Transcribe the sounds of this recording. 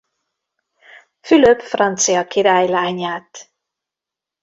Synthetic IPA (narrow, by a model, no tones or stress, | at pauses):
fyløpfrɒnt̪sijɒkiɾaːjlaːɲaːt̪